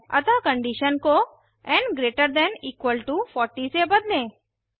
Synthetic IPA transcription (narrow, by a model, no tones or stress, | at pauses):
ɐ̰t̪akə̃ɳɖiʃənko | ɛ̃ɳɡɾeːʈəɾd̪ɛ̃niːkwəlʈufɔːɾʈisebəd̪lẽː